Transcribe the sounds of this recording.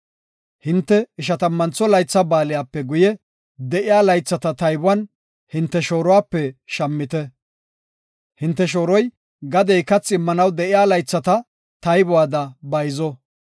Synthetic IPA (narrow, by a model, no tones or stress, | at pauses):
hɪnt̪ːɛɪʃ̬ɐt̪ɐmːɐnt͡sːɔlɐjt͡sːɐbaːlɪjaːpːɛɡʊjɛ | d̪ɛʔɪjaːlɐjt͡sːɐt̪ɐt̪ɐjbʊwɐn | hɪnt̪ːɛʃo̞ːɾɔwaːpːɛʃɐmːɪt̪ɛ | hɪnt̪ːɛʃoːɾɔj | ɡɐd̪ɛjkɐt͡sʼːɪmːɐnɐwd̪ɛʔɪjaːlɐjt͡sːɐt̪ɐ | t̪ɐjbʊwaːd̪ɐbɐjzɔ